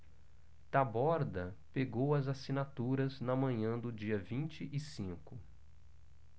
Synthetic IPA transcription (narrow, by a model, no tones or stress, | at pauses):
t̪abɔɾd̪ɐ | peɡowɐzasinat̪uɾɐznɐmɐ̃ɲɐ̃d̪ʊd͡ʒiɐvĩt͡ʃɪʔɪsĩkʊ